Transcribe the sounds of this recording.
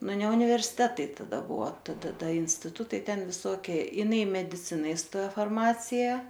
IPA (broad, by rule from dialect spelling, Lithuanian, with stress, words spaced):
ˈnʊ nʲɛ ʊnʲɪʋʲɛrʲsʲɪˈtʲæːtɐɪ tɐˈdɐ ˈbʊʋoː tɐdɐ ˈdɐ ɪnʲsʲtʲɪˈtʊtɐɪ ˈtʲɛn ʋʲɪˈsoːkʲiɛ jɪˈnɐɪ ɪ mʲɛdʲɪˈt͡sʲɪnɐ ɪˈstoːjoː fɐrˈmɑːt͡sʲɪjɛ